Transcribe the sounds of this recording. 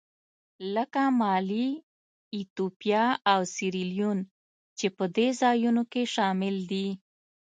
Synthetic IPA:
ləkamɑliː | t̪upjɑawsiɾilijun | t͡ʃepəd̪ezɑjunokeʃɑmɪld̪i

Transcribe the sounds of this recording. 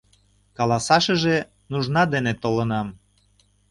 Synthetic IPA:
kɑlɑsɑʃəʒe | nuʒnɑd̪enet̪olənɑm

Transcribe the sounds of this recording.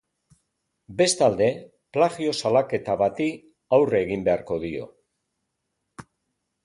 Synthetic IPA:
be̞st̪ald̪e̞ | plaɣio̞salake̞t̪aβat̪i | awreɣimbe̞aɾko̞ðio̞̰

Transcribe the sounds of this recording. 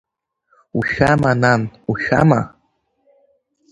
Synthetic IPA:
uʃamananuʃa̰ma̰

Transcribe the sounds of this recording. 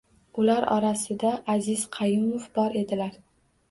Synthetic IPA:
ʊlaɾɒ̰ɾasɪd̪aʔːzɪz̥qʰɑjɪmofbɒɾe̞d̪ɪlaɾ

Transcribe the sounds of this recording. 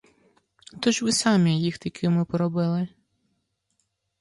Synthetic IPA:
t̪ɔʒʋɪsɑmʲijixt̪ikʰɪmɪpɔɾɔbɪlˠɪ

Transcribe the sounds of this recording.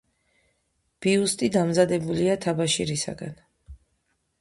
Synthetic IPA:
b̥iust̪ʼid̪amzad̪ɛbuliat̪ʰabaʃiɾisa̰ɡa̰n

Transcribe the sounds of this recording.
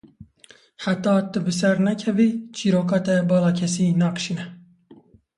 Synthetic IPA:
ħat̪ːɑːt̪ɨbɨs̬ɛɾnɛkʰɛvit͡ʃʰiːɾoːkɑːt̪ɛbɑːlɑːkʰɛsiːnɑːqɨ̥ʃinɛ

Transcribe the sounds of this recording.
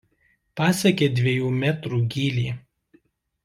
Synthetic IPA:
pɑːsʲɛkʲeːd̪ʲʋʲeɛjuːmʲæt̪ɾuːɡʲiːlʲiː

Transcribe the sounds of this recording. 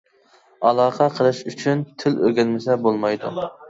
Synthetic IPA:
ɑlˠɑːqʰɑqʰəlˠɨʃyt͡ʃʰynt̪ʰɪløɾɡʲɛnmɪsɛbolˠmɑjd̪ṵ

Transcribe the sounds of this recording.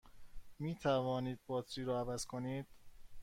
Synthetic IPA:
miːt̪ʰævɒːniːd̪̚bɒːt̪ɾiːɾɔːævæz̥kʰoniːd̪̥

